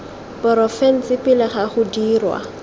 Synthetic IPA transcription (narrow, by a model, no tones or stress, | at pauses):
pɔɾɔfɛn̩sɪpɪlɪχaχʊdiːrwa̰